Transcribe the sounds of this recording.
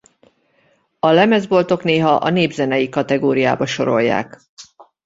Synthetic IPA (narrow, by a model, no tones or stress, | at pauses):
ɒlɛmɛzbo̞lt̪o̞kneːɦɒʔɒ̰neːbzɛnɛjikɒt̪ɛɡoːɾijaːbɒʃo̞̰ɾo̞̰jːa̰ːk